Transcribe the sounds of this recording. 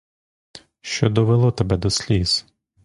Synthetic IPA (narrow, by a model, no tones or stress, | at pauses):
ʃt͡ʃɔd̪ɔʋelˠɔt̪ɐbɛd̪ɔsʲlʲis